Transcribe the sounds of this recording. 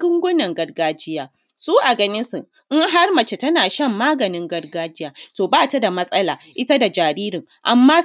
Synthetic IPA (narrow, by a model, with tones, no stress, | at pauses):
ɡʊ˦ŋɡʷʊ˦nɐ˨ŋɡɐ˦rɡaː˦d͡ʒɪ˦jaː˦ | suː˦ʔa˨ɡɐ˦nɪ˦nsu˨ | ʔɪ˦ŋɦa˦rmɐ˨t͡ʃe˨tɐ˦naː˨ʃɐ˦mːaː˦ɡɐ˨nɪ˦ŋɡɐ˦rɡaː˦d͡ʒɪ˦jaː˦toː˨baː˦˨ta˦da˨mɐ˦sʼɐ˦laː˨ʔɪ˦ta˦da˨d͡ʒaː˨ɾiː˦ɾɪ˨ŋ | ʔa˨mːaː˦